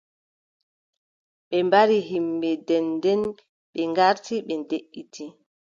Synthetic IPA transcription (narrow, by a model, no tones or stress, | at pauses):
ɓɛmbaɾiɦimːbɛdɛndɛn | ɓɛŋɡaɾtiɓɛndeʔːitʰi